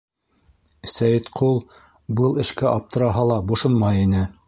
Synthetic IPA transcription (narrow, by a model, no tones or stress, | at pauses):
sæjɘt̪qʰulˠ | bɤlˠɘ̆ʃkæʔɑp̚t̪ɤ̆ɾɑɦɑlˠɑbŏʃonmɑjinɘ